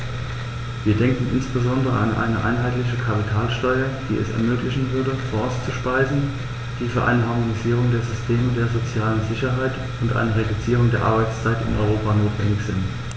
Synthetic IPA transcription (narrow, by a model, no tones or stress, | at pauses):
viːɐdɛŋkŋ̩ɪnsb̥əzɔndəʁə̰a̰nʔa̰ɪnəʔa̰ɪnɦaɪtlɪçəkʰapitʰaːlʃtɔʏɐd̥ḭːɛ̰sɛ̰ɐmøːklɪçn̩vʏɐdəfɔːst͡suʃpaɪzn̩ | d̥iːfyːɐʔa̰ɪnəɦaɐmoniziːʁ̞ʊŋdeːɐzʏstʰeːmədeːɐzot͡sjaːlənzɪçɐɦaɪt | ʊntʔa̰ɪnəʁedut͡siːʁ̞ʊŋdeːɐʔa̰ɐbaɪt͡st͡saɪtɪ̰nʔɔ̰ʏʁoːpanoːtv̥ɛ̰ndɪçz̥ɪnt